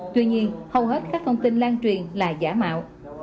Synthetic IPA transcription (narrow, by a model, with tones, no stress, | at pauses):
t̪wi˧ɲi˧ənhə˨wɦe˦˥t̚kaː˦˥k̚t̪ʰə˧wŋ͡mt̪i˧nlaː˧nt͡ɕwi˨˩ənlaː˨˩zaː˧˩˦ma̰ː˧˨wʔ